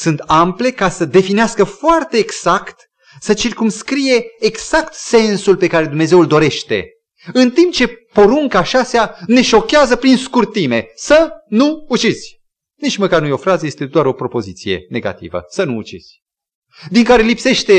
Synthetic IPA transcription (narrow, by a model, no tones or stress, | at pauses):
sunt̪ample̞kasəd̪e̞fineaskəfoart̪e̞ːɡz̥akt̪ | sət͡ʃirkumskɾije̞ːɡz̥akt̪se̞nsulpe̞kaɾe̞d̪umne̞ze̞uld̪o̞ɾe̞ʃt̪e̞̰ | ɨnt̪impt͡ʃe̞po̞ɾuŋkaːʃasjane̞ʃo̞keazəpɾinskurt̪ime̞sənuːt͡ʃiz̥ʲ | nit͡ʃməkarnujo̞fɾazəje̞st̪e̞d̪oaɾo̞pɾo̞po̞zit̪sije̞̰ne̞ɡa̰t̪ḭvə̰sənṵːt͡ʃiz̥ʲ | d̪iŋkaɾe̞lipse̞ʃt̪e̞